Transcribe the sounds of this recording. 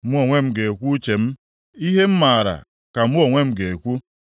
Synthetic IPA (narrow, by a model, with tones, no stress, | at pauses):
m̩˦o˨ŋʷe˦m̩˦ɡe˨kʷu˦t͡ʃe˨m̩˦ | i˦ɦe˦m̩˦ma˨ɾa̰˨ | ka˨m̩˦o˦˨ŋʷe˦m̩˦ɡe˨e˨kʷu˦